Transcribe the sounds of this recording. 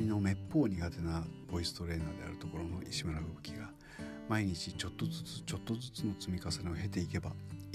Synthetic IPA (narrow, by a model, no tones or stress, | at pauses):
ino̞me̞pːo̞ːɲ̟iɡat̪e̞nabo̞isɨ̥t̪o̞ɾẽ̞nd̪ad̪e̞a̰ɾɯ̟t̪o̞ko̞ɾo̞no̞ʔiɕimaɾabɯ̟bɯ̟̥kʲiɡa | maiɲ̟it͡ɕit͡ɕo̞t̪ːo̞zɨt͡sɨ̥t͡ɕo̞t̪ːo̞zɨt͡sɨno̞t͡sɨmʲikasenoɦe̞t̪e̞ike̞ba̰